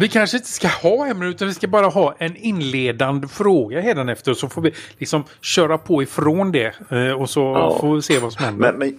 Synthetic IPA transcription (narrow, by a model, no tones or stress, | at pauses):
vɪkʰanʂəɪnt̪ə̥skahɑːhɛmːɾəʉ̟t̪anvɪskabɑːɾaɦɑːʔɛnɪnːleːd̪and̪fɾoːɡaɦeːd̪anɛft̪əɾsɔfoːɾvɪlɪksɔm | ɕœːɾapʰɔɪfɾond̪ɛɔsɔfoːseːvasɔmhɛnd̪